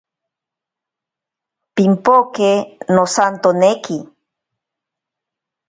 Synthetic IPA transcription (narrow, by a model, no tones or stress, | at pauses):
pimpokenosant̪oneki